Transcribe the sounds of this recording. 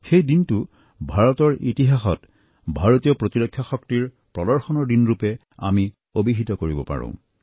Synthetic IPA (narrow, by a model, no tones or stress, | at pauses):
xejdintu | bʱaɹɔtɔɹʔḭtiɦaxɔt | bʱaɹotijɔpɹotiɹokʰːjaxɔktiɹ | pɹɔdɔɹxɔnɔɹdinɹupɛ | a̰mi | obiɦitɔkoɹibɔpa̰ɹṵ̃